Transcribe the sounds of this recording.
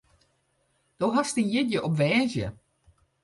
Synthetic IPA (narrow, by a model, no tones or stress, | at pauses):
d̥oɦastinjɪdjəʔɔpʋɛːzjə